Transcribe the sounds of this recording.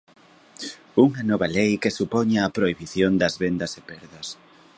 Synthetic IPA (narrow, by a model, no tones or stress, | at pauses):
uŋɐnɔβɐlejkesupɔɲaːpɾoiβiθjond̪ɐzβend̪ɐsepɛɾðɐs